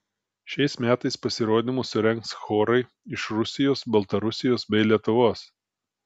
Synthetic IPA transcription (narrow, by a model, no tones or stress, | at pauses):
ʃʲɛɪsmʲæːt̪ɐɪspɐsʲɪɾoːd̪ʲɪmʊsʊɾʲɛŋkt̪sxoːɾɐɪ | ɪʃɾʊsʲɪjoːsbɐlˠt̪ɐɾʊsʲɪjoːsbʲɛɪlʲiɛt̪ʊʋoːs